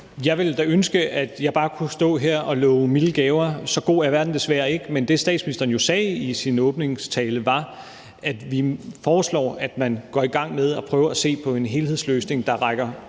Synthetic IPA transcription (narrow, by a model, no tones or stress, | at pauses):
jɑ̈ɪʋe̝ld̥æønsɡ̥əæd̥jɑ̈ɪb̥ɑ̈ːkʰusd̥ɔ̰̽ːɦeɐ̰ɒ̽lɔʊmiləɡ̥ɛːʊɐsɒ̽ɡ̥o̝̰ːæɐʋæɐd̥n̩d̥e̝sʋæːɐe̝ɡ̥əmend̥e̝sd̥ɛ̰ːd̥sminisd̥ɐːnjo̝sɛːisinɔ̽ːb̥ne̝ŋst͡sʰɛːləʋɑ̈ | ʔæd̥ʋifɒːslɒ̰ːæd̥mænɡ̥ɒiɡ̥ɑ̈ŋ̰með̞ˠɒ̽pʰʁœːʊɐæse̝̰ːpʰɒ̽e̝nɦe̝ːlhe̝ð̰ˠsløːsne̝ŋd̥ɑ̈ʁɑ̈ɪɡ̥ɐ